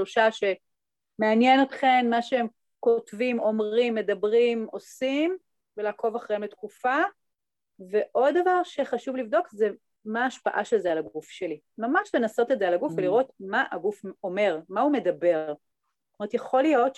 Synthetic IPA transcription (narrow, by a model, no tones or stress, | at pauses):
loʃaʃe̞ | meanjeno̞t̪χe̞mmaʃeem | kotvimo̞mʁimːe̞dɐbʁimo̞sim | velakʰo̞vaχʁeembet̪kufa | ve̞ʔo̞d̪ːavaʁʃeχaʃuvlivdokze | maːʃpa̰ʔaʃelzealaɡufʃe̞li | mamaʃle̞naso̞tezealaɡufveliʁo̞tmaʔaɡufo̞me̞ʁmaume̞dɐbe̞ʁ | tomet̪jeχo̞lijo̞t